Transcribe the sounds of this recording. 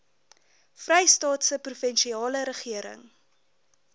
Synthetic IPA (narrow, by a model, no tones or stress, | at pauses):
frɛjstɑːtsəprufɛnʃiɑːləɾəχiəɾə̰ŋ